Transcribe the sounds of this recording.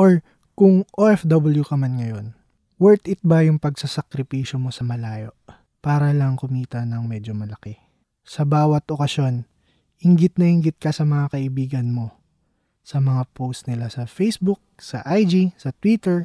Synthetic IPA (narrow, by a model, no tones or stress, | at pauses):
ʔoɹ | kʊŋʔoʔɛfd̪obɐljukɐmanŋɐjo̞n | wɛɹt̪ɪt̪̚bɐjʊŋpɐɡ̚sɐsɐkɾɪpiːʃo̞mo̞sɐmɐlaːjo̞̰ʔ | paːɾɐlɐŋkʊmiːt̪ɐnɐŋmɛːd͡ʒo̞mɐlɐkɛ | sɐbaːwɐt̪ʔokɐsjo̞n | hɪŋɡɪt̪̚nɐhɪŋɡɪt̪̚kɐsɐmɐŋakɐʔɪbiːɡɐnmo̞ | sɐmɐŋapʰowst̪nɪlasɐfejsbuk̚sɐʔajd͡ʒisɐt̪wit̪ɛɹ